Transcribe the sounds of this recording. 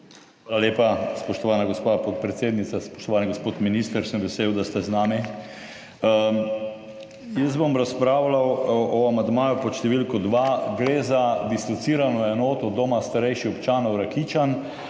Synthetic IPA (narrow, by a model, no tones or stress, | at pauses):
xʋaːlaleːpaspɔʃt̪ɔʋaːnaɡospapot̪̚pɾɛt̪seːd̪nit̪saspɔ̥ʃt̪ɔʋaːniɡospoːt̪minist̪əɾsəmʋɛseːwd̪ast̪ɛznaːmi | jəzbomɾaspɾaːwlawɔamand̪maːjupɔʃt̪ɛʋilkɔd̪ʋaɡɾezad̪ist̪ɔt̪siːɾanɔɛnoːt̪ɔd̪omast̪aɾɛjʃiɔpt͡ʃaːnɔwɾakit͡ʃan